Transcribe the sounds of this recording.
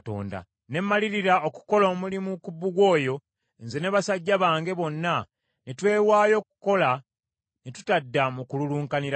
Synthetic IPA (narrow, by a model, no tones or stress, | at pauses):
to̞̰ːnda̰ | ne̞mːaliɾiɾaoku̥ko̞loːmulimukubːuɡwo̞ːjo̞ | nze̞neβasaɟːaβaːŋɡe̞βo̞nːa | netwe̞ːwaːjo̞ːku̥ko̞la | netu̥tadːamukululuːŋkaniɾa